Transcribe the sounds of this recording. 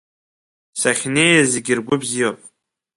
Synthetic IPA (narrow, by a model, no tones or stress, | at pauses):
saχʲneːjɛzɪɡʲɪrɡʷʊbzijopʼ